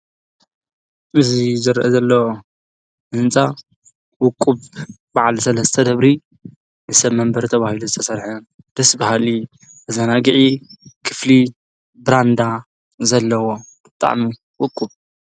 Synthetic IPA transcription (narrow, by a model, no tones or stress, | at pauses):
ʔɨzizɨɾʔɐzɐlːɐwo | ʔɨnt͡sʼa | wʊkʼːuβ | baʕalsɐlɐst̪ʰɐd̪ɐβɾi | nɨsɐβmɐmbɐɾt̪ʰɐβahiluzɨt̪ʰɐsɐɾħɐ | d̪̥ɐsbahali | ʔɨzanaɡiʕikʰɨ̥fli | bɾand̪a | zɐlːɐwob̥ɨt̪ʼa̰ʕmi | wʊkʼːub